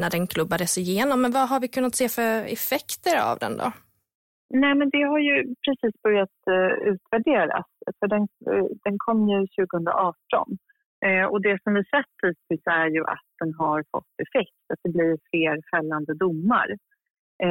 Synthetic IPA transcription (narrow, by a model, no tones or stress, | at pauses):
næɖɛnkʰlɵbːad̪əsɪjeːnɔmːɛnvaɦaɾvɪkʰɵnːat̪seːfœɾɛ̰fɛkt̪əɾa̰vd̪ɛ̰nd̪ɔ̰ | nɛːmɛnd̪ɛɦaɾjɵpʰɾɛsiːsbœɾjat̪ʉ̟ːt̪væɖeːɾa̰sfœɖɛnd̪̥ɛnkʰɔmːjɵɕʉ̟ːɡəhɵnd̪ɾa̰ʔɑːʈɔ̰n | ɔd̪ɛsɔmvɪsɛt̪ʰːid̪̚t̪ʰɪsæɾjɵʔa̰t̪̚d̪̥ɛnɦaɾfɔ̰t̪ːɛfɛk̚t̪at̪̚d̪ɛblɪɾfleːɾfɛlːand̪əd̪ʊmːa̰ɾ